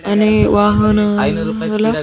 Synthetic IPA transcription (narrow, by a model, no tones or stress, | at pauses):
aniʋaɦəna | ɦəla